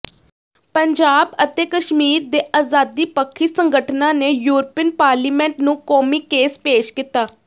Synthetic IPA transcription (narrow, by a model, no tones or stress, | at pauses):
pəɲd͡ʒaːbət̪eːkəʃmiːɾd̪eːʔaːzaːd̪iːpəkʰːiːsəŋɡəʈʰnãːneːjuːɾpiənpaːɾliːmɛ̃ːɳʈnũːkoːmiːkeːspeːʃkɪt̪aː